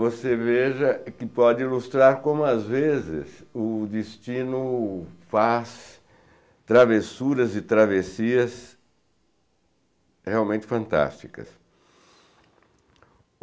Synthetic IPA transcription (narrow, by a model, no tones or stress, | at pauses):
voseveʒɐkɪpɔd͡ʒɪilust̪ɾaɾkõmʊazvezɪ̰sʊd̪ɪst͡ʃĩnʊfas | t̪ɾavesuɾɐzɪt̪ɾavesiɐs | heawmẽnt͡ʃɪ̥fɐ̃nt̪a̰st͡ʃi̥kɐ̰s